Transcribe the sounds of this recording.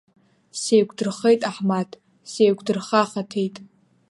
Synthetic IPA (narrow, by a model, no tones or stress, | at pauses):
sejɡʷʼdɨrχejtʼaħmatʰ | sejɡʷʼdɨrχaχatʰejtʼ